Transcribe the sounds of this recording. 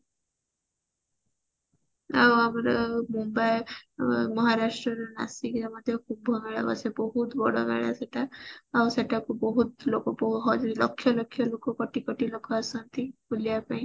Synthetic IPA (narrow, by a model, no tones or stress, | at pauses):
a̰wamɾmumbaj | mɔɦaɾaʃʈɾɔɾna̰sikɾamɔd̪ʱjɔkʰubʱɔmeɭa̰bɔ̰sebɔɦut̪bɔɽɔmḛɭa̰seʈaawseʈakubɔɦut̪lokopɔɦɔd͡ʒlɔkʰːjɔlɔkʰːjɔlokokɔʈikɔʈilɔkʰːɔasɔnt̪ikulijapaĩ